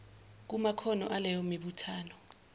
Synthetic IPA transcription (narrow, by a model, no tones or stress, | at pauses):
k̬umakʰɔnɔ̰ʔalɛjɔmiɓutʰaːnɔ